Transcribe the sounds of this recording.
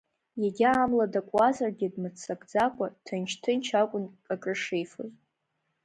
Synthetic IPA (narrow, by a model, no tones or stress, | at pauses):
jaɡʲɪaːmladakʷʼazarɡʲɪdmɨt͡sʰakʼd͡zakʷʼatʰant͡ʃʰtʰɨnt͡ʃʰakʷʼʊnkʼakʼɨʂejfo̰z